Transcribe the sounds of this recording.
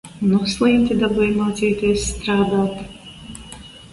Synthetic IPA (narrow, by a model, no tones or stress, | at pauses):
nuslˠiːmʲt̪id̪abujmaːt̪siːt̪iɔsːt̪ɾaːd̪aːt̪